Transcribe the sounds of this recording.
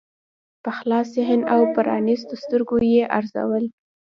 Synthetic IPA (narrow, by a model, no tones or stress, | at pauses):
pəxlɑs̬eɦɪnawpəɾɑ̰nist̪ost̪əɾɡojeʔaɾza̰wəl